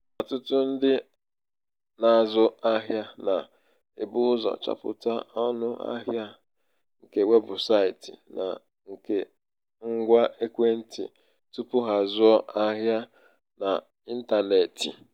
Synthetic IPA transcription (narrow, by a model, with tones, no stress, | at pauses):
ɔ˨tʊ˦tʊ˦n̩˦dɪ˦ | na˨zʊ˦a˦ɦja˦na˨ | e˨bʊ˦zɔ̰˨t͡ʃa̰˦pʊ̰˨ta˦ɔ˦nʊ˦a̰˦ɦja˦ | ŋ̩˨ke˨we˦bʊ˨sa˦i˨ti˨na̰˨ | ŋ̩˨ke˦ | ŋ̩˦ɡʷa˦ʔe˦kʷe˦n̩˦tḭ˨ | tu˦pʊ˦ɦa˨zʊ˦ɔ˦a˦ɦja˦ | na˨ | i˦n̩˦ta˨ne˨tḭ˨